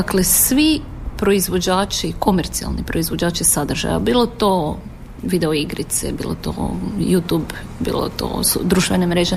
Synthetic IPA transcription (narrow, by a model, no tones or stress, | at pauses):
aklesʋipɾo̞izʋo̞d͡ʑaːt͡ʃiko̞meɾt̪sia̰lˠnipɾo̞izʋo̞d͡ʑaːt͡ʃisad̪r̩ʒa̰ja̰biːlˠo̞t̪o | ʋid̪e̞oiɡɾit̪sḛbḭːlˠo̰t̪o̰juːt̪uːbbḭːlo̰t̪o̰sṵd̪ɾuʃt̪ʋenamɾeːʒe